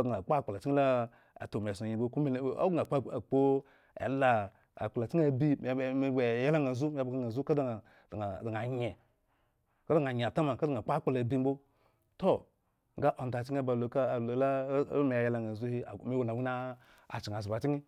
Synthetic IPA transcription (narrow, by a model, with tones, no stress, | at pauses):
ɡa˨k͡pːk͡pa˨la˨t͡ʃi˦la˦ | a̰˨to˨m˨e˨so˨i˨bo˦ku˦o̰˦ɡa˨k͡pa˨k͡po˦ | ḛ˨˦la˨ | a̰˨k͡pa˨la˨t͡ʃi˦a˨bi˦˨˦e˨je˦la˦ŋa˨zu˦m˦a˦bɡa˨ŋa˨zu˦ka˦dḁ˦˨ | a˨a˨da˨ŋ˨a˨ɲe˨ | ka˦da˦˨ŋ˨a˨ɲ˨a˨ta˦ma˨ka˦da˨ŋ˨a˨k͡pa˦k͡pa˦la˨bi˦m̩˦bo˦ | to˦ | ŋ˦ɡa˦ʔo˨n˨ta˨t͡ʃi˦a˦ba˨lo˨ka˦˨lo˨la˦me˨a˨je˦la˦ŋa˨zu˦hi˦˨mi˦wo˨na˨wi˦na˦ | a̰˨t͡ʃi˨ŋ˨a˨s̬i˨ba˨t͡ʃi˦ŋi˦